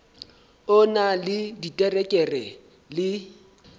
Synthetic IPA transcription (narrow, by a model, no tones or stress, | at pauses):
ʊnalɪditʼɛrɛkʼɛrɛ | lɪ